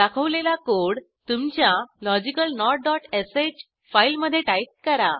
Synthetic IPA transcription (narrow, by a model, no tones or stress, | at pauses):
d̪akʰəʋlelakoɽ | t̪umt͡ɕjalɔd͡ʑikəlnɔʈ̚ɖɔʈeset͡ɕ | failməd̪ʱːjeʈait̪̚kəɾa